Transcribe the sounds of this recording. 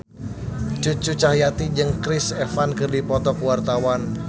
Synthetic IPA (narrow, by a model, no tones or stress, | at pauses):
t͡ʃut͡ʃut͡ʃahjat̪id͡ʒɨŋkɾɪsɛfankɨrdipɔt̪ɔkuwart̪awan